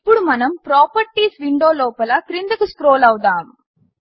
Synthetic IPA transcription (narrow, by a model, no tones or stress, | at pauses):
ipːuɽumɐnɐmpɾaːpɐɾʈːiːsʋiɳɖoːloːpɐlɐkɾɪnd̪ɐkɯskɾoːlɐʋd̪aːm